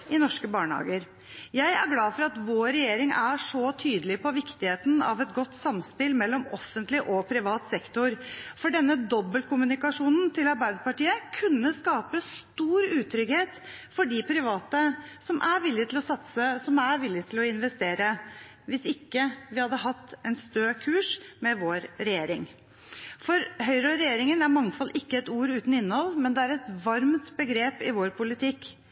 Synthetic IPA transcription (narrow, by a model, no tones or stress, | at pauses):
ɪnɔʂkəbɑːɳəhɑ̰ːɡəɾ | jæɪæ̰ɾɡlɑːfɔɾɑt̪ʋoːɾɛjeːɾɪŋæʂɔt̪ʰyːd̪əlɪpʰɔʋɪkt̪ɪheːt̪n̩ɑ̰ʋɛt̪̚ɡɔt̪ːsɑmspɪlmɛlːɔmɔfːənt̪lɪʔɔpʰɾɪʋɑːt̪sɛkt̪ʊɾfɔɖɛnːəd̪ɔbːəlkʰʊmʉnɪkɑʂuːnnt̪ʰɪlɑɾbæɪd̪əpɑʈiːəkʰʉnːəskɑːpəst̪uːɾʉːt̪ʰɾʏɡheːt̪fɔɖɪpʰɾɪʋɑːt̪əsɔmʔæʋɪlːɪt̪ʰɪlɔsɑt̪səsɔmæʋɪlːɪt̪ʰɪlɔɪnʋɛst̪eːɾə | ʋɪsɪkːəʋɪhɑd̪ːəɦɑt̪ːɛnst̪øːkʰʉːʂmɛʋoːɾɾɛjeːɾɪŋ | fɔɾɦœʏɾɑɾɛjeːɾɪŋənæɾmɑŋːfɑlːʔɪkːəɛt̪uːɾʉːt̪n̩ɪnːəhɔlːmɛnd̪ɛæɾɛt̪ʋɑɾmt̪bəɡɾeːpɪʋoːɾpʰʊlɪt̪ʰɪkː